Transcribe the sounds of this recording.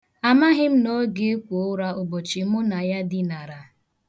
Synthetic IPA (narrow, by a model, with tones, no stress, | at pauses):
a˨ma˦ɦɪ˦m̩˦no˦ɡe˦e˦kʷo˨˦ʊ˦ɾa˦ʊ˨bo˨t͡ʃɪ˨mʊ˦na˨ja˦dɪ˦na˨ɾa˨